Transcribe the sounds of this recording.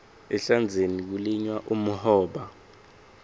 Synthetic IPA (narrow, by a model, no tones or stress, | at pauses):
ɛɬand͡zʱenik̬uliɲwaʔumuhɔːɓa